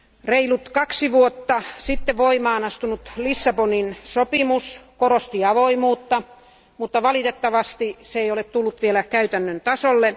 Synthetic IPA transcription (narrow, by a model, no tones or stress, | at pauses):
reilut̪kɑksiʋuot̪ːɑsit̪ːeʋoimɑːnɑst̪unut̪lisːɑponinsopimuskorost̪iɑʋoimuːt̪ːɑ | mut̪ːɑʋɑlit̪et̪ːɑʋɑst̪iseeiolett̪ulːut̪ʋielækæyt̪ænːønt̪ɑsolːe